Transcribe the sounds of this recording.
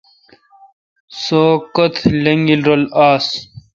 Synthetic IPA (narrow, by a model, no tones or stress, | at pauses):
soːkot̪ʰleŋɡilɾolaːs